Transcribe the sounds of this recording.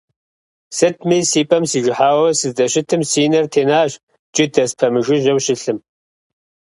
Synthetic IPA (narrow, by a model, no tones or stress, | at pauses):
sɨtʰmisiːpʼɐmsiːʒɪħaːwɐsɨzt͡sʼɐɕɪtʰɨmsiːnɐrtʰeːnaːʒ | t͡ʃʼɪdɐspʰɐmɨʒɪʒɐwɕɪɬɨm